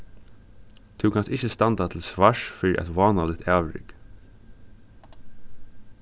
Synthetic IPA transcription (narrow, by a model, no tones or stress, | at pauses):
t̪ʰʉkʰanst̪ɪçəst̪ɑnt̪at̪ʰɪlsʋaʂfɪɾ̰ʔɛ̰t̪ʋɑːnalɪt̪ʰæːʋɾɪ̰k